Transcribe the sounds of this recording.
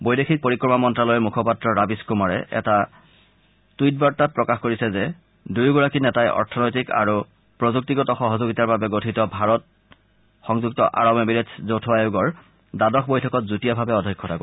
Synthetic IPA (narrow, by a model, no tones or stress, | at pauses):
bojdexʰik̚poɹikɹɔmamɔntɹalɔjmukʰɔpatɹɔɹabiskumaɹɛ̰ʔɛ̰ta | tujt̚baɹtat̚pɹɔkaxkoɹisɛzɛ | dujɡɔɹakinɛtajʔɔ̰ɹtʰɔnojtika̰ɹu | pɹɔzuk̚tiɡɔtɔxɔɦɔzoɡitaɹbabɛɡotʰitɔbʱaɹɔt̚ | xɔŋzuk̚tɔʔa̰ɹɔmjɔbiɹetʰzowtʰɔajuɡɔɹ | dadɔxʰbojtʰɔkɔtzutijabʱabɛɔdʱɔkʰːɔtʰako